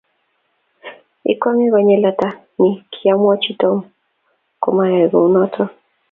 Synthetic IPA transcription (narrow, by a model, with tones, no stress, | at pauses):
ḭ˦kwa˦ŋi˦ɡɔ˨ɲɛ˦la˦ta˦ | ni˦kʰi˦a˦mɔ˦t͡ʃi˦to˦m | ko˨ma˨ɾɛ˨ɡo˨u˦nɔtʰɔ˦